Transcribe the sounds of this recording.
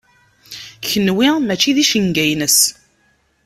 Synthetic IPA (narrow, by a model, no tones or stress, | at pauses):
çənːwimæt͡ʃːiðiʃəŋɡæjnəs